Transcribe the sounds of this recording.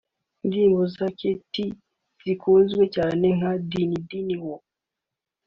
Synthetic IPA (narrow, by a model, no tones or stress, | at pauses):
ndimbozakʰeti | z̥ikʰozwet͡ʃaneŋadinidiniwɔ